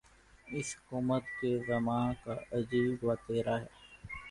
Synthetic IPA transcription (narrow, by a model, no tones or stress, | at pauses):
ɪshʊkuːmət̪kezɐmãːkaɐd͡ʒiːbʋat̪eːɾaːɦɛː